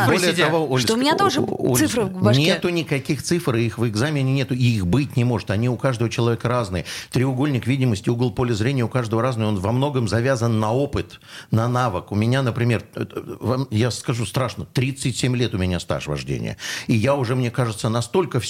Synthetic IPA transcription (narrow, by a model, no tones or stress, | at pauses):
bolʲɪjəɐvoolʲmʲɪnat̪oʐɨolsɨfɾbɐnʲet̪ʊnʲɪkɐkʲixt̪sɨfrɨixvɪɡzamʲɪnʲɪnʲet̪ʊɪixbɨt̚ʲnʲɪmo̞ʐɨt̪ɐnʲiʊkaʐd̪əvət͡ɕɪlˠɐvʲekəɾaznɨjɪt̪ɾʲɪʊɡo̞lʲnʲɪkvʲidʲɪməsʲtʲɪuɡəlˠpolʲɪzɾʲenʲɪjəʊkaʐd̪əvəɾaznɨjo̞nvɐmno̞ɡəmzɐvʲazənːɐo̞pɨt̪nɐnavəkʊmʲɪnʲanəpɾʲɪmʲe̞rvamjaskɐʐust̪ɾaʂnət̪ɾʲit̪sɨtʲsʲemʲlʲe̞t̪ʊmʲɪnʲast̪a̰ʂvɐ̰ʐdʲḛnʲɪ̰jə̰ijaʊʐɛmnʲe̞kaʐɨt̪sənɐst̪o̞lʲkəfʲ